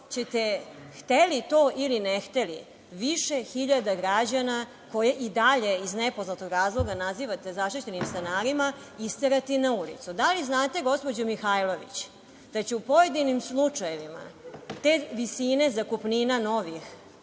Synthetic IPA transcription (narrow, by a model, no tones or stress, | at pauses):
t͡ɕet̪ext̪elit̪o̞ːʔilinext̪eli | ʋiʃexiʎad̪aɡɾad͡ʑana | ko̞jeʔid̪aʎe̞iznepo̞znat̪oɡɾaːzlˠo̞ɡanaziʋat̪e̞zaʃt̪it͡ɕe̞nimst̪enaːɾima | ist̪eɾat̪inaulḭt̪sud̪aliznaːt̪e̞ɡo̞spo̞d͡ʑomixajlˠo̞ʋḭt͡ɕ | d̪̥at͡ɕɛupo̞jed̪inimslˠut͡ʂajeʋima̰t̪eːʋisine̞zakupninano̞ʋix